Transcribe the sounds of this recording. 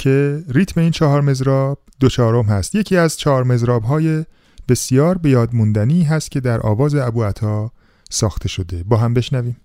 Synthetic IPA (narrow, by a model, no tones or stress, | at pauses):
cʰe̞ɾiːt̪ʰme̞iːnt͡ʃʰɒːɦɒːɾme̞zɾɒːb̥̚d̪ot͡ʃʰɒːɾomhæst̪jecʰiːæzt͡ʃʰɒːɾme̞zɾɒːbɦɒːje̞ | b̥e̞sijɒːɾbe̞jɒːd̪mund̪æniːɦæst̪̚cʲʰe̞d̪æɾʔɒ̰ːvɒːzeæbuːæt̪ʰɒː | sɒːxt̪ʰe̞ʃo̞d̪e̞bɒːɦæmbe̞ʃnæviːm